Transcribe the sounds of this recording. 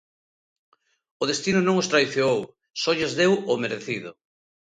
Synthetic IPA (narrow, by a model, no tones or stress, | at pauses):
oð̞est̪inʊnõŋost̪ɾaðiθjoow | sɔʎazðewomeɾeθiðʊ